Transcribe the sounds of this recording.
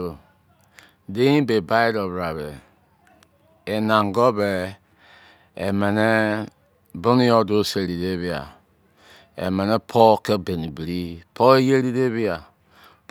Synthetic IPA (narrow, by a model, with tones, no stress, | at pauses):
o˨ | de˦ĩ˦be˨ba˦i˦ɾɔ˨βɾa˨βe˨ | e˨na˨ŋɡɔ˦be˨ | ḛ˨mɛ˨ne˦ | bo˦ni˦ɔ˦do˦se˨ɾi˨de˦βi˦a̰˨ | ḛ˨me˨nɛ˦pʰɔ˦ke˦be˨ni˨bi˨ɾi˦pʰɔ˦e˦je˦ɾi˦de˦βi˦a˨ | p